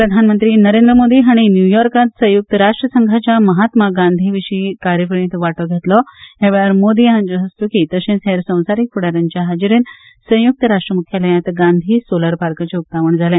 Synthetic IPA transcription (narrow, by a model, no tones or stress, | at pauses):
pɾəd̪ʱanmənt̪ɾiːnəɾẽnd̪ɾəmod̪iːɦaɽ̃injujɔɾkat̪sə̃juk̚t̪əɾaʂʈɾəsəŋɡʱat͡ɕjaməɦat̪maɡãnd̪ʱiʋiɕiːkaɾjəfəɳ̃ĩt̪ʋaʈɔɡʱet̪lɔɦeʋɭaɾmod̪iɦãnd͡zəɦəst̪ukit̪əɕẽnseɾsə̃w̃saɾikfuɽaɾaɲt͡ɕjaɦad͡ʑɾen | sə̃w̃juk̚t̪əɾaʂʈɾəmukʰjaləjat̪ɡãnd̪ʱiːsoləɾpaɾkat͡ɕeup̚t̪aʋəɳd͡zʱalẽ